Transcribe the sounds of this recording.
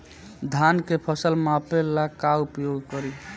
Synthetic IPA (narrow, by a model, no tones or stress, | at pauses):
d̪ʱankepʰəsəlmapelːakaupjoɡkɔɾi